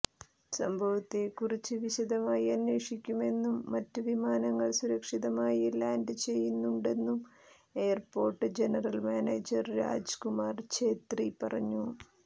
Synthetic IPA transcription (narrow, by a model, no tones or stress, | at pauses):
sɐmbʱɐʋɐt̪ːekːurit͡ɕːɨʋiɕɐd̪ɐmaːjiɐnwe̞ːʂikʲːume̞nːumːɐtːɨʋimaːnɐŋːɐɭsuɾɐkʂiðɐmaːjiilaːndɨt͡ɕe̞jːunːuɳɖe̞nːum | e̞ːjɐrpo̞ːrʈːɨd͡ʑenɐrɐlmaːneːd͡ʑɐrɾa̰ːd͡ʑkumaːrt͡ɕe̞ːt̪ripɐrɐɲːu